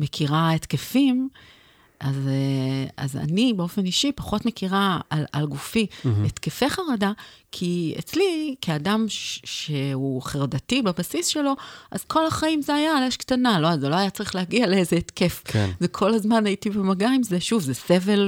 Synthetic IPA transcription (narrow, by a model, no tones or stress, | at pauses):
me̞kʰiʁaetke̞fim | ʔazea̰za̰nibeo̞fe̞niʃipaχo̞tme̞kʰiʁaalalɡufiet̪kefe̞χaʁadakʰiḛt͡slikʰiadamʃeuχeʁadatibebasisʃe̞lo̞ʔazkʰo̞laχaimzeajaleʃkt̪analo̞azelo̞ajat͡saʁiχlehaɡialeezeːtke̞fkḛzekʰo̞lazmanajitibemaɡaimzeʃuvzese̞ve̞l